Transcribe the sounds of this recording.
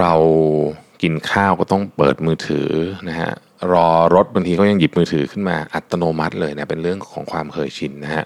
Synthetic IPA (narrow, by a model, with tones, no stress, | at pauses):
ɾa˧w | ki˧nkʰaː˥˩wkɔː˥˩t̪ɔ˥˩ŋpɤː˨˩t̪̚mɯː˧t̪ʰɯ̰ː˩˦na˦˥kʰa̰˦˥ʔ | ɾɔː˧ɾo˦˥t̪̚ba˧ŋt̪iː˧kʰa˦˥˩ja˧ŋji˨˩p̚mɯː˧t̪ʰɯː˩˦kʰɯ˥˩nmaː˧ʔa˨˩t̪ːa˧noː˧ma˦˥t̪̚lɤː˧jna˦˥˩pe˧nɾɯ˥˩əŋkʰɔ̰ː˩˦ŋkʰwaː˧mkʰɤː˨˩jt͡ɕʰi˧nːa˦˥kʰa˦˥ʔ